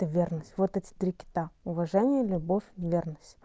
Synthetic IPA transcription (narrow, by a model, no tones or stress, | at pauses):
t̪əvʲernəsʲtʲvot̪ɛtʲɪ̥t̪ɾʲɪkʲɪ̥t̪aʊvɐʐɛnʲɪjəlʲʊbofʲvʲe̞rnəsʲtʲ